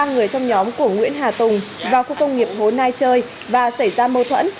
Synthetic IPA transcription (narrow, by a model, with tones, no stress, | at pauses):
aː˧ŋɨ˨˩əjt͡ɕɔ˧wŋ͡mɲɔ˨˦mku˧˩əŋwḭ˧˥ənɦaː˨˩t̪ʊ˨˩ŋ͡mvaː˨˩wxu˧kə˧wŋ͡mŋi˨˩əp̚ho˨˦nːaː˧jt͡ɕəː˧j | vaː˨˩sə˧˩jzaː˧məː˧t̪ʰwə̰˧˥n